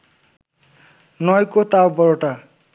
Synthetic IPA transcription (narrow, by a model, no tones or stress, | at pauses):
nʌjkot̪awbʌɾoʈa